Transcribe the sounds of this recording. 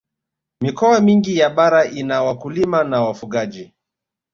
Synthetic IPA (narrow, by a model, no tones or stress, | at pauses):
mikɔamiŋɡijaɓaɾaʔinawakulimanawafuɠaʄi